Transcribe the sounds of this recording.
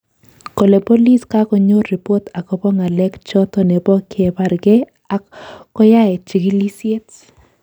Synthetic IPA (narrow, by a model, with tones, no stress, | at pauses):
ko˨le˨po˦li˦ska˦kɔ˨ɲo˦i˨po˦ta˨kɔ˨bɔ˦ŋa˨lɛ˦kt͡ʃɔ˦t̪ɔ˨ne˨bɔ˦kʰe˨ba˨ɾɡe˦ | a˨kɔ˦ja˦ɛ˨t͡ʃi˨ɡi˦li˦se˦t